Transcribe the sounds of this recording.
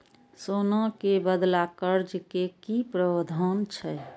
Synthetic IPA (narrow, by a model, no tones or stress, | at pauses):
soːnãkebəd̪lakəɾd͡ʒkekipɾəʋd̪ʱaːnt͡ʃʰɛ